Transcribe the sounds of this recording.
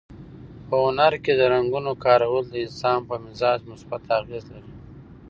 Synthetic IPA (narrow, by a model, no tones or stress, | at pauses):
pəʊnaɾked̪əɾaŋɡunokɑːɾawəld̪əɪnsɑːmpəmɪzɑːd͡ʒmʊsbat̪aɣezlaɾi